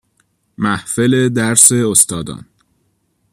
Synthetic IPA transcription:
mæhfe̞le̞d̪æɾse̞ost̪ɒːd̪ɒ̰ːn

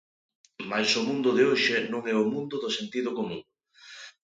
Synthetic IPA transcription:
majsʊmũnd̪ʊðɪoʃɪnõŋɛʊmũnd̪ʊðʊsent̪iðʊkomũŋ

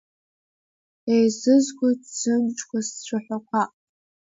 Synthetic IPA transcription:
ejzɨzɡʷʊdz̥ɨnt͡ʃʼkʷʰast͡ɕʷʰaħʷᶣakʷʰaqʼ

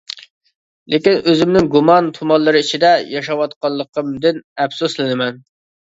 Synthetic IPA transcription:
lʔekʲinøzɪmnɪŋɡumɑnt̪ʰumɑnlˠɨɾɨit͡ʃʰid̪ɛjɑʃɑwɑt̪qɑlˠːəqʰəmd̪ɪnɛpsuslˠɨnɪmɛn

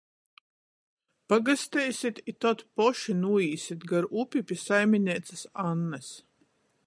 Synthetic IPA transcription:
paɡast̪ɛjsʲit̪it̪ɔt̪pɔʃinuɔiːsit̪ɡaɾʔupʲipʲisajmʲinʲiɛt̪sasanːɛs

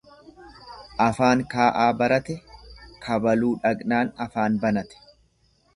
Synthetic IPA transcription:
ʔɐfaːŋkaːʔaːbɐɾɐt̪ɛkʰɐbɐluːᶑɐɡnaːnɐfaːnbɐnɐt̪ɛ̥

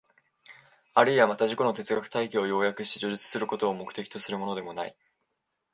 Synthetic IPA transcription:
aɾɯ̟iβamat̪aʑiko̞no̞t̪e̞t͡sɨɡakɯ̥t̪aikʲiojo̞ːjakɯ̟̥ɕi̥t̪eʑoʑit͡sɨ̥sɨɾɯ̟ko̞t̪o̞ːmo̞kɯ̟̥t̪e̞kʲi̥t̪o̞sɨɾɯ̟mo̞no̞d̪e̞mo̞naḭ

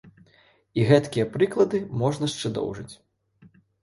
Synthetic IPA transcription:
iɣɛt̪kʲijɐpɾɨklˠɐd̪ɨmɔʐnɐʂt͡ʂɨd̪ɔ̰wʐɨt͡sʲ

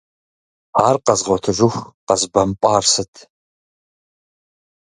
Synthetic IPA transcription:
aːrqɐzʁʷɔtʰɨʒʷɪxʷqɐzbɐmpʷʼaːrsɨtʰ

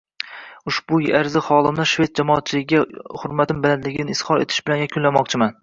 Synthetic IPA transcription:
ʊʃbʊjaɾzɪχɒlˠɪmnɪʃve̞t̪̚d͡ʒamɒːt̪̚t͡ʃʰɪlɪɡʲɡʲahʊɾmat̪ɪmbɪland̪lɪɡʲɪnɪɪshɒɾe̞̰t̪ʰɪ̥ʃbɪlanjakʲʰʊnlːamɒqt͡ʃʰɪman

